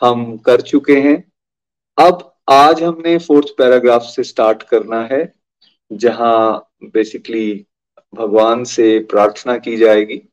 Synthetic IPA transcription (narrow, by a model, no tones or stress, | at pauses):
hɐmkɐɾt͡ʃʊkeɦɛ̃ː | ɐb | aːd͡ʒɦɐmnefoːɾt̪ʰpɛːɾaːɡɾaːfsːesʈaːɾʈkɐɾnaɦɛ | d͡ʒɐɦã | beːsɪkli | bʱɐɡʋaːnsepɾaːɾt̪ʰənakid͡ʒaːeːɡiː